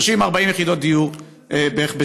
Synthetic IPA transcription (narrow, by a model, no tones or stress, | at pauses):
ʃimaʁbaimjeχid̪ot̪̚d̪iju | ebebe